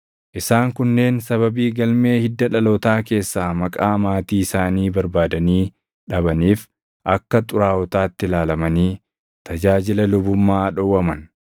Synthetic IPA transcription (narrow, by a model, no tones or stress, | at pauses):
ʔɪsaːŋkʊnːe̞ːnsɐβɐbiːɡɐlme̞ːhɪd̪ːɐᶑɐloːt̪aːke̞ːsːaːmɐkʼaːmaːt̪iːɪsaːniːbɐɾbaːd̪ɐniː | ᶑɐbɐniːf | ʔɐkːɐt̪ʼʊɾaːwɔt̪aːt̪ːɪlaːlɐmɐniː | t̪ɐd͡ʒaːd͡ʒɪlɐlʊbʊmːaːᶑɔwɐmɐn